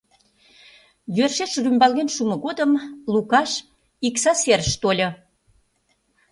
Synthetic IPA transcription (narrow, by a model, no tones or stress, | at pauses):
jørʃeʃrymbɑlɣenʃumŏɣod̪əmlukɑʃ | iksɑserʃt̪olʲo